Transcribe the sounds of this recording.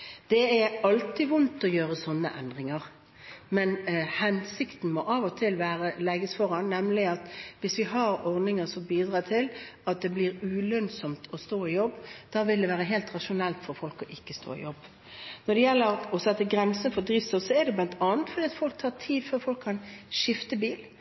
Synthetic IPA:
d̪̥ɛɛɑlt̪ɪʋʊnt̪ɔjøːɾəsɔnːə̰ʔɛnd̪ɾɪŋəʁ | mɛnhɛnsɪkt̪n̩mɔʔɑʋɔt̪ʰɪlʋæːɾəlɛɡəsfɔɾɑnnɛmlɪɑt̪ʋɪsʋɪɦɑɾɔɾnɪŋəsɔmbiːd̪ɾɑːt̪ʰɪlɑt̪̚d̪ɛbliːɾʉlœnsɔmt̪ʰɔst̪oːɪjɔbːd̪̥ɑːʋɪld̪ɛʋæːɾəɦeːlt̪ʁɑʂʊnɛlt̪fɔɾfɔlkɔʔɪkːəst̪o̰ːɪ̰jɔbː | nɔɖ̪ɛjɛlːəɾɔsɛt̪ːəɡɾɛnsənfɔd̪ɾiʋsɔsɔɛd̪ɛblɑnt̪ʰɑːənt̪fɔɾd̪iːɑt̪fɔlk̚t̪ʰɑːʈʰiːd̪føːɾfɔlkʰːɑnʃɪft̪əbiːl

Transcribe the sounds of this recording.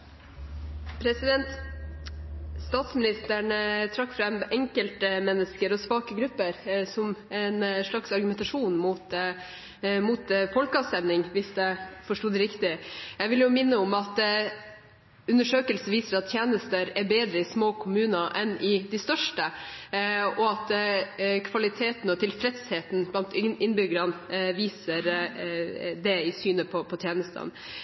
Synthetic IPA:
pʰɾɛsɪd̪ɛnt̪ | st̪ɑːt̪smɪnɪst̪æɳət̪ʰɾɑkːfɾɛmɛŋkəlt̪əmɛnːəskəɾɔsʋɑːkəɡɾʉpːəɾsɔmɛnʂɭɑksɑɾɡʉmɛnt̪ɑʂuːnmut̪ | mut̪fɔlkəɑːʋst̪ɛmnɪŋʋɪsd̪ɛfɔʂʈuːd̪ɾɪkt̪ɪjæɪʋɪljʊmɪnːəʊmɑt̪ | ʉnːəʂøːkəlsn̩ʋiːsəɾɑt̪̚t̪ːʰjeːnəst̪əɾɛbeːd̪ɾəɪsmoːkʰʊmʉːnɑʔɛnɪd̪ɪst̪œʂʈə | ɔɑt̪ | kʰʋɑlɪt̪ʰeːt̪n̩ɔt̪ʰɪlfɾɛt̪sheːt̪n̩blɑnt̪ɪnbʏɡəɾɑnʋiːsəɾ | d̪ɛɪsyːnəpʰɔpʰɔt̪ʰjeːnəst̪ə̰n

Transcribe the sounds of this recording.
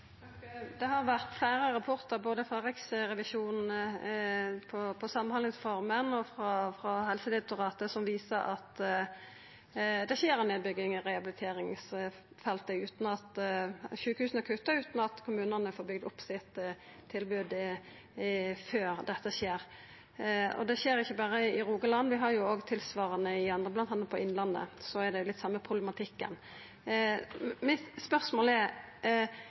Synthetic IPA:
d̪ɛhɑɾʋæʁt̪flæɪɾəɾɑpʰɔʁt̪əɾboːd̪əfɾʁɑɾɛksʁɛʋɪʃuːnn̩ | pʰɔpʰɔsɑmːɑnhɑləŋsfɔɾmənɔfɾɑfɾɑhɛlsəd̪ɪt̪ʊʁɑːt̪əsɔmʋiːsəɾʔɑt̪ | d̪ɛɕeːɾɛneːd̪bʏɡɪŋɔʁɛɑbɪlɪt̪ʰeːɾɪŋs | fɛlt̪əʉːt̪n̩ɑt̪ʃʉːkəhʉːsənəkʰʉt̪ɑʉːt̪n̩ɑt̪kʰʊmʉːnənəfoːɾbʏɡ̚d̪ʊpːsɪt̪ʰː | ɪlbʉːd̪ | føːɾd̪ɛt̪ːəɕeːɾ | ɔ̰d̪ɛɕeːɾɪçːəbɑɾəɪɪɾuːɡəlɑnːʋɪɦɑɾjʊoːɡt̪ʰɪlsʋɑːɾənəɪɑnd̪ʁəblɑnɑnːɑt̪̚pʰɔɪnlɑnːə̰sɔæɾd̪ɛjʊlɪt̪ːsɑmːəpʰʁʊblɛmɑt̪ʰɪkːə̰n | mɪt̪spœʁsmoːlɛɾ

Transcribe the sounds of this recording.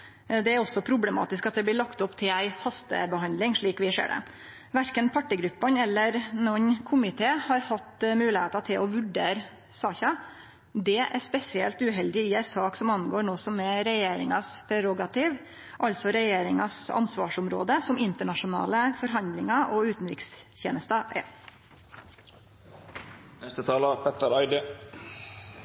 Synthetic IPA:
d̪ɛæɾɔsːɔpʰɾʊbləmɑ̰ːt̪ɪskɑt̪̚d̪ɛb̪lɪɭɑkt̪ʊpt̪ʰɪlæɪhɑst̪ə̰bəhɑnd̪lɪŋʂɭiːkʋɪʂḛːɖɛ̰ | ʋæɾkənpʰɑʈːɪɡɾʉpːɑnɛlːəɾnɔnkʰʊmɪt̪ʰeːhɑɾhɑt̪ːmʉːlɪheːt̪ɑt̪ʰɪlʔɔʋʉɖeːɾə | sɑːçɑ | d̪ɛʔæɾspɛsɪɛlt̪ʉːɦɛld̪ɪɪæɪsɑːksɔmɑnːɡoːɳoːsɔmɛɾɛjeːɾɪ̰ŋɑspʰɾɛɾɔɡɑt̪ʰiːʋ | ʔɑlt̪sɔɾɛjeːɾɪŋɑsɑ̰nsʋɑːʂʊmɾo̰ːd̪əsɔmɪnt̪əɳɑʂʊnɑ̰ːləfɔɾɦɑnd̪lɪŋɑʔɔʉːt̪nɾɪ̰ksçḛːnəst̪ɑʔɛ̰ | nɛst̪ət̪ʰɑːlɑpʰɛt̪əɾɑɪd̪ə

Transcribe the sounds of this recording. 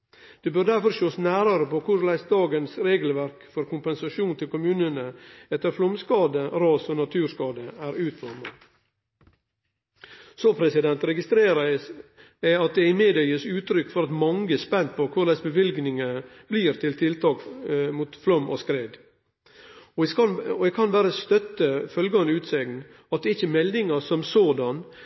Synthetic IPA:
d̪̥eːbœɾd̪æɾfɔɾʂoːsnæːɾɑɾəpokʰʊɾlæɪsd̪ɑːɡənsɾeːɡlʋæɾkfɔɾkʊmpɛnsɑʃuːnt̪ʰɪlkʰʊmʉːnənəɛt̪ːəɾflɔmskɑːd̪əɾɑːsɔnɑt̪ʰʉːɾskɑːd̪əæːɾʉːt̪fɔɾmə | sɔpʰɾɛsɪd̪ɛnt̪ɾɛɡɪst̪ɾeːɾɑ | æɑt̪̚d̪ɛɪmeːd̪œʏəsʉːt̪ɾʏkːfɔɾɑt̪mɑŋəspɛnt̪̚pʰɔkʰʊlɛsbəʋɪlɡnɪŋə | bliːɾt̪ʰɪlt̪ʰɪlt̪ʰɑːkmuːt̪flɔmːʔɔ̰skɾeːd̪ | ɔɛɡkʰɑnbæːɾəst̪œt̪ːəfœlɡəɑnʉːt̪sɛɡn | ɑt̪̚d̪ɛɪçəmɛld̪ɪŋɑsɔmsoːd̪ɑn

